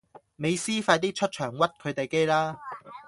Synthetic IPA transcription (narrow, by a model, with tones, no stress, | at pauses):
me˨˧jsiː˥faː˧jt̪iː˥t͡ʃʰɵ˥t̚t͡ʃʰœː˨˩ŋwɐ˥t̚kʰɵ˨˧ɥt̪e˨jke˥jlaː˥